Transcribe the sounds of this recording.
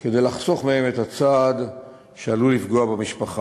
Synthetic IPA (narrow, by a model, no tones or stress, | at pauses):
ke̞d̪e̞jlaχso̞χmehe̞me̞tat͡sad̪ | ʃealulifɡo̞abemiʃpaχa